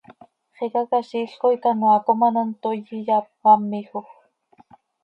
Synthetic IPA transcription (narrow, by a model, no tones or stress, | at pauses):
χekakaʃiɬkoikanwakomanont̪ojijap̚ːamːixox